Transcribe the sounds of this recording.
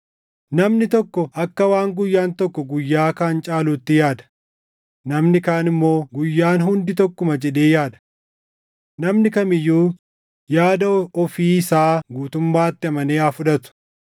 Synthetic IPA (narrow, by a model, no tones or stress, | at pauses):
nɐmnɪt̪ɔkːɔʔɐkːɐwaːŋɡʊjːaːnt̪ɔkːɔɡʊjːaːkaːnt͡ʃʼaːluːt̪ːɪjaːd̪ɐ̥ | nɐmnɪkaːnɪmːo̞ːɡʊjːaːnɦʊnd̪ɪt̪ɔkːʊmɐd͡ʒɛᶑe̞ːjaːd̪ɐ̥ | nɐmnɪkɐmɪjːuː | jaːd̪ɐɔfiːsaːɡuːt̪ʊmːaːt̪ːɪɐmɐneːaːfʊᶑɐt̪ʊ̥